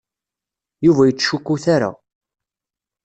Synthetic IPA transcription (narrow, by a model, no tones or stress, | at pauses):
juvæjət͡sːʃukːuθaɾa̰